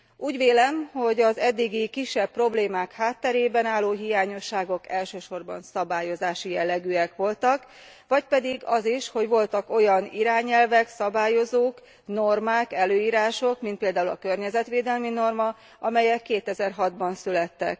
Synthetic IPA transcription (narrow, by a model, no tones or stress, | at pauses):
uːɟʋeːlɛmho̞ɟɒzɛd̪ːiɡikiʃːɛb̚pːro̞bleːmaːkhaːt̪ːɛɾeːbɛnaːlːoːɦijaːɲo̞ʃːaːɡo̞kɛlʃøːʃo̞rbɒ̰nsɒbaːjo̞zaːʃijɛlːɛɡyːɛkʋo̞lt̪ɒk | ʋɒc̚pɛd̪iɡɒziʃho̞ɟʋo̞lt̪ɒko̞jɒniɾaːɲɛlvɛksɒbaːjo̞zoːk | no̞rmaːkɛløːiːɾaːʃo̞kmint̪̚peːld̪aːulɒ̰kø̞rɲɛzɛt̪ʋeːd̪ɛlmino̞rmɒ | ʔɒmɛjɛkːeːt̪ɛzɛrɦɒd̪bɒnsylɛt̪ːɛ̰k